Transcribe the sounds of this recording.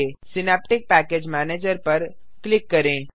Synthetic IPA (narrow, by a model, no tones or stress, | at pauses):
esɪnɛːp̚ʈɪk̚pɛːkeːd͡ʒmɛːneːd͡ʒəɾpɐɾ | klɪkːɐɾẽː